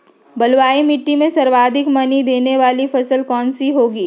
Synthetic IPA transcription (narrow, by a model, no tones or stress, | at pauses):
bɐlʋaːimɪʈːimẽsɐɾʋaːd̪ʱɪkmɐnid̪eːneʋaːlifɐsəlkɔːnsiɦoːɡiː